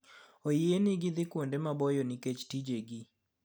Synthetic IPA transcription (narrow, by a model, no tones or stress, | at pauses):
ojienɪɡɪd̪ɪkwondemabɔjɔniket͡ʃtid͡ʒeɡi